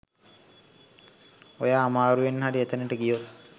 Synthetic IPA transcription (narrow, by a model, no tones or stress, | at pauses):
ojaːmaːɾuʋenɦaɖiet̪ənəʈəɡijo